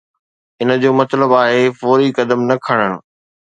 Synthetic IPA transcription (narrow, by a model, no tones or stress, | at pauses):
ɪnə̆d͡ʑoːmɐt̪ləbaːɦefoːɾikɐd̪əmnɐkʰɐɽ̃əɽ̃̆